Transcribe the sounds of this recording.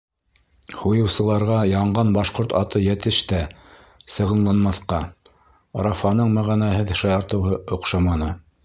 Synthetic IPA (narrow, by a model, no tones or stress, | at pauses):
hujɤ̆wsɤ̆lˠɑɾʁɑjɑɴɢɑnbɑʃqoɾt̪ɑt̪ɤjæt̪ɘ̆ʃt̪æ | sɤ̆ʁɤ̆nlˠɑnmɑθqɑ | ɾɑfɑnɤɴmæʁænæɦɘðʃɑjɑɾt̪ɤ̆wɦɤʔŏqʃɑmɑnɤ